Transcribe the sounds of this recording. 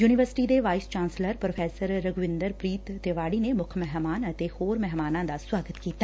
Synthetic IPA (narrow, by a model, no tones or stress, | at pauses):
juːniʋəɾsɪ̥ʈid̪eʋaːɪst͡ʃãːnsləɾpɾopʰɛːsəɾːəɡʋɪ̃nd̪əɾpɾiːt̪ːeːʋaːɽiːnemʊkʰmɛɦmaːnət̪ehoːɾmɛɦmaːnãːd̪aswaːɡət̪kiːt̪a